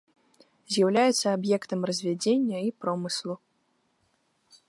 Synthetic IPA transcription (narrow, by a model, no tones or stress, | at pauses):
zʲjɐwlʲajɛt̪sːɐːbjɛkt̪ɐmrɐzʲvʲad͡zʲenʲːɐipɾɔmɨslˠu